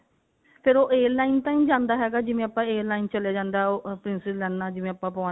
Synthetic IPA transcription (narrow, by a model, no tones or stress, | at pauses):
pʰɪɾoːʔeːɾlaːiːnt̪ãːĩːd͡ʒãːnd̪aːɦɛːɡaːd͡ʒɪʋẽːəpãːeːɾlaːiːnt͡ʃəleaːd͡ʒãːnd̪aːɦɛoːpɾɪnsɪzlɛːnːaːd͡ʒɪʋẽːəpãːpɔ